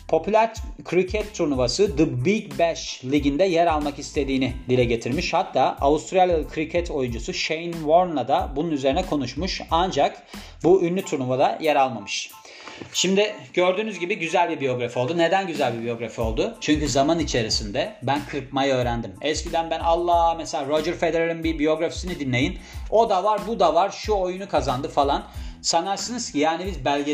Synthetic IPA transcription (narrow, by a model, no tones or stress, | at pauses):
pʰo̞pʰylʲæɾkʰɾicʰɛt̪ʰːuɾnuvasɯd̪ɯbicbɛʃlʲiɟind̪ɛjɛɾalˠmakist̪ʰe̞d̪iːnɪd̪ilʲɛɟe̞t̪ʰiɾmiʃhat̪ʰːaːaust̪ɾalʲkʰɾicʰɛt̪ʰo̞jund͡ʒusuʃejnvoɾnlˠad̪abununyze̞ɾinɛkʰo̞nuʃmuʃand͡ʒak | buynʲːyt̪ʰuɾnuvad̪ajɛɾalˠmamɯʃ | ʃimd̪ɪɟ̥ø̞ɾd̪yːnyzɟibiɟyzælʲbibijo̞ɡɾafio̞lˠd̪une̞d̪ænɟyzælʲbibijo̞ɡɾafio̞lˠd̪ʊt͡ʃʰyɲcyzamanit͡ʃʰe̞ɾisind̪ɛbænkʰɯɾpmajaø̞ːɾænd̪imɛscʰid̪ænbænalˠːaːmɛselʲaɾod͡ʒɯɾfe̞d̪eɾaɾɯnbibijo̞ɡɾafi̥sinid̪inlʲe̞jino̞d̪avaɾbud̪avaɾʃuojunukʰazand̪ɯfalˠansanaɾsɯnɯz̥jaːnibizbælʲɟe